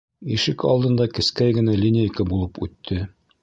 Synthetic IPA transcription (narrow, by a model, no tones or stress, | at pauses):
iʃɘkɑ̰lˠd̪ɤ̆nd̪ɑkɘ̆skæjɡɘ̆nælʲinʲɪjɘkɘbulˠɤpʉt̪ʰːɘ